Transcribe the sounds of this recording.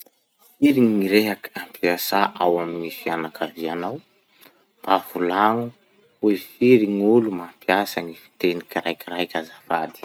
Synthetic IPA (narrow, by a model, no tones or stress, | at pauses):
fiɾiŋiɾeɦakampʰiasaʔawaminifianakʰavianaw | b̥avulaŋu | efiɾiŋulumampiasaŋifi̥t̪enikiɾajkʲiɾajkʲazafad̪i̥